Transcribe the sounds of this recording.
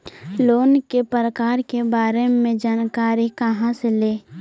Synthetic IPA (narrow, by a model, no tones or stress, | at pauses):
loːnkepəɾəkaːɾkebaːɾemẽd͡ʒaːnkaːɾikəɦãseleː